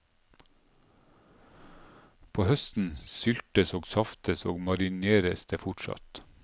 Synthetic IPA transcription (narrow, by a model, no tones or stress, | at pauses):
pʰoːhœst̪n̩sʏlt̪əsoːɡsɑft̪əso̰ːɡmɑɾɪneːɾəsd̪̥eːfʊʈʃɑ̰t̪